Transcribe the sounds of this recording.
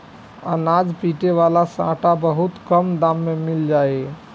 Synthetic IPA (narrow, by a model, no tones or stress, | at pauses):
ə̰nad͡ʒpiʈeβalasã̰ʈabəɦut̪kəmd̪amːemild͡ʒae